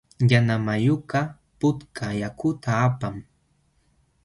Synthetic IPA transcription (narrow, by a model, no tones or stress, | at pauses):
janamajʊka | pʊt̪kʰajakʊt̪aːpam